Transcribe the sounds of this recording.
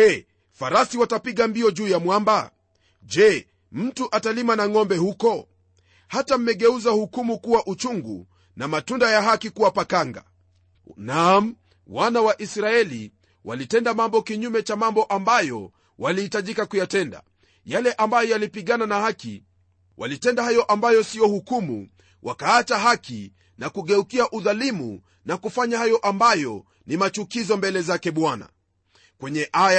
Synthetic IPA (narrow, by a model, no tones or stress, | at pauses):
ɛ | faɾasiwatapiɠambiɔʄuːjamwamba | d͡ʒɛ | m̩tuʔatalimanaŋɔmbɛhukɔ | hatam̩mɛɠɛuzahukumukuwaʔut͡ʃuŋɡṵ | namatundajaɦakikuwapakaŋɡa̰ | nam̩ | wanawaʔisɾaɛli | wʔa̰litɛndamambɔkiɲumɛt͡ʃamambɔʔambajɔ̰ | walihitaʄikakujatɛnda̰ | jalɛʔambajɔjalipiɠananahakḭ | wʔa̰litɛndahajɔʔambajɔsijɔhukumṵ | wʔakaat͡ʃaɦaki | nakuɠɛukiaʔuðalimṵ | nakufaɲahajɔʔambajɔ | nimat͡ʃukizɔmbɛlɛzakɛɓwana̰ | kwɛɲɛʔaja